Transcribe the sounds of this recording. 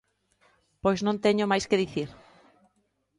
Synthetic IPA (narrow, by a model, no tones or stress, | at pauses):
pojznõnt̪eɲomajskeðiθiɾ